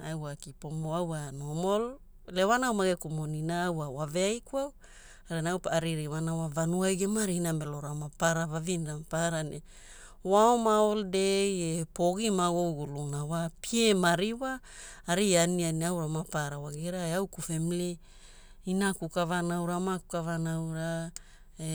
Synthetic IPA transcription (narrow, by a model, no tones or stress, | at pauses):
awakipomoawanomol | lewanawmaɡekumoninaːwawaveajkuaw | aɾinawpaaɾiɾiwanawavanuajɡemaɾinameloɾamapaɾavavindamapaɾane | waomaoldejepoɡimawowɡulunawapiemaɾiwaː | ɾianianiawɾamapaɾawaɡiɾaeawkufemli | inakukavanawɾamaku̥kavanawɾa | e